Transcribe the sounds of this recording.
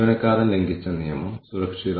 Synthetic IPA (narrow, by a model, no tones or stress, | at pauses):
ʋɐnɐkːaːɾɐmleŋɡit͡ɕːɐnijɐmɐmsuɾɐkʂið